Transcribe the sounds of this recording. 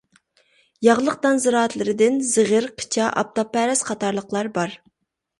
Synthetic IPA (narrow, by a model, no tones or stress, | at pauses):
jɑʁlˠəq̚d̪ɑnzɨɾɑːt̪lˠɪɾɪd̪ɪnzɨʁəɾqʰə̥t͡ʃʰɑʔɑ̰p̚t̪opːɛɾɛsqʰɑt̪ɑɾlˠəqlˠɑɾbɑɾ